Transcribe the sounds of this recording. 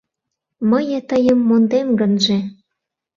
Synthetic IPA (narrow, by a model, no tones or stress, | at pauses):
məjet̪əjəmːond̪emɡənʒĕ